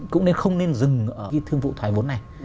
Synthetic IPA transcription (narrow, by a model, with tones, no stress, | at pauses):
kʊ̰˧˥ŋ͡mne˧nxə˧wŋ͡mne˧nzɨ˨˩ŋʔəː˧˩i˧t̪ʰɨ˧əŋvṵ˧˨t̪ʰwaː˨˦jvo˨˦nːa˨˩j